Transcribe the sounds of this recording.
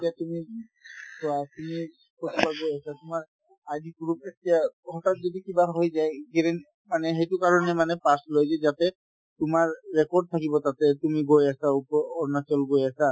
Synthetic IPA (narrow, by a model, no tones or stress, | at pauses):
etiatumi | sɔatumi | kotibaɡojasatʊmaɹ | adiɡɹupetijahɔtat̚zodikibaɦojzajɡɛɹɛn | manɛɦejtʊkaɹɔnɛmanɛpaslojzazatɛ | tʊmaɹːɛkɔɹd̚t̪ʰakibɔtatɛtumiɡojasaupɔːɹnat͡ʃɔlɡojasa